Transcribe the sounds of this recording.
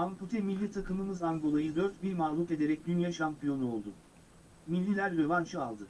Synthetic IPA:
amput̪ʰɛmilʲːit̪ʰakʰɯmɯmɯzaŋɡo̞lˠajɯd̪ø̞ɾt̪biɾmaɦlˠuk̪e̞d̪e̞ɾɛc̚d̪ynjaʃampʰijo̞nuo̞lˠd̪u | milʲːilʲæɾd̪evant͡ʃʰɯalˠd̪ɯ

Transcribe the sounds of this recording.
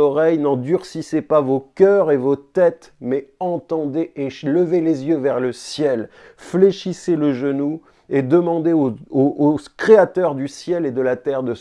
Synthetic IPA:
ɔʁɛjnɑ̃d̪yʁsisepavokʲœʁevot̪ɛt̪ | mɛɑ̃t̪ɑ̃d̪eʔeʃləvelezjøvɛʁləsjɛl | fleʃiseləʒənu | ed̪əmɑ̃d̪eooʔokχeat̪œʁd̪ysjɛled̪əlat̪ɛʁd̪ə

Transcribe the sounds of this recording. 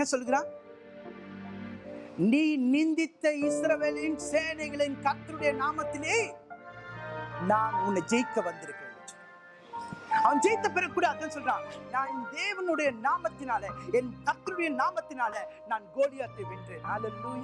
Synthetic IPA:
ẽːsɔlːɯɣɪɾãː | niːnɪnd̪ɪt̪ːɐɪsɾɐʋeːlɪnseːnɐɪɣɐɭɪnkɐɾt̪ːɯɾɯɽɐjɐnaːmɐt̪ːɪleː | naːnʊnːɐd͡ʒɛjkːɐʋɐnd̪ɪɾɯkːɪ | ɐʋɐnd͡ʒɛjt̪ːɐpɪɾɐkːuːɽaːððãːnsɔlɪɾãːnaːnd̪eːʋɐnɯɽɐjɐnaːmɐt̪ːɪnaːlɐɛnkɐt̪ːɯɾʊɽɐjɐnaːmɐt̪ːɪnaːlɐnaːnɡoːlɪjaːt̪ːeʋɪndrenaːlɛluːj

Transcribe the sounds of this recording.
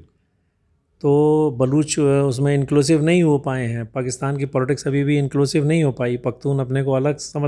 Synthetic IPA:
t̪oːbɐluːt͡ʃʊs̬mẽɪ̃nkluːsɪʋnɐɦĩɦopaːeɦɛ̃ːpaːkɪst̪aːnkipɔːlɪʈɪksɐbʱibʱiɪ̃nkluːsɪʋnɐɦĩɦopaːipɐk̚t̪uːnɐpnekoɐləɡsɐmə

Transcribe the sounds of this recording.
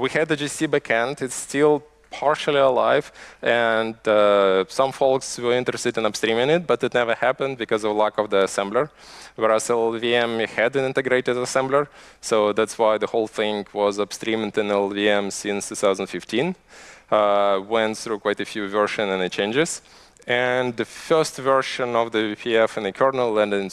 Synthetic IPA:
wihɨd̪̚ɨd͡ʒisibækʰæ̃ntɨtstɪlˠ | pʰɑɹʃl̩ˠiəlaɪv̥ɨ̃ndʌsʌ̃ɱfɔlˠkswəlɪ̃ntɹ̥ɨstɨdɨ̃nəbstɹ̥ĩmɪ̃ŋɪt̚b̥ʌɾɨtⁿnɛvə˞hæpɨ̃nd̚bɨkɔzʌvlækʌvðiəsɛ̃mblə˞ | wəɹasɛlˠviɛ̃mhɨdɨ̃nɪ̃ntɨɡɹeɪɾɨdəsɛ̃mblə˞ | soʊðætswaɪðəhoʊlˠθɪ̃ŋwʌzəb̥stɹĩm̃tɨ̃nɛlˠviɛ̃msɪ̃nst̪ʰʉθaʊzə̃n̩dfɪftʰĩn | wɛ̃nt̪θɹukʰw̥aɪtɨfjʉvɜ˞ʃɨ̃nɨ̃nɨt͡ʃʰẽɪ̃nd͡ʒɪz̥ | ɨ̃nðɨfɜ˞stvɜ˞ʃɨ̃nʌvðɨpʰiɛfɨ̃nɨkʰɜ˞nəl̩ˠə̃ndɨ̃n

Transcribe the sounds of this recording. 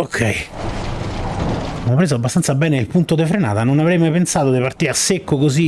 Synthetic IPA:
okʰːɛj | mɔpːɾeːzoabːast̪ant̪sabɛːneilpunt̪od̪efɾena̰ːt̪anonavɾɛjmajpensaːt̪od̪ipart̪iːasːekːokozi

